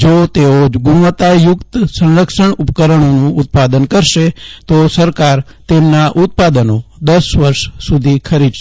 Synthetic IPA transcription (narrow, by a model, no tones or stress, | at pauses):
d͡ʒot̪eoɡʊnʋət̪ajʊkt̪sə̃nɾəkʃəɳʊpkəɾəɳ̃onũʊt̪̚pad̪ənkəɾʃet̪osəɾkaɾ | t̪emnaʔʊt̪̚pad̪ənod̪əsʋəɾʃsud̪ʱikʰəɾid̪ʃ